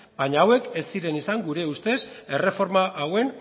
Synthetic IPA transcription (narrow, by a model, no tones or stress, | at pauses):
baɲaawe̞ke̞sːiɾe̞nisaŋɡuɾe̞ust̪e̞se̞re̞fo̞ɾmaʔawe̞n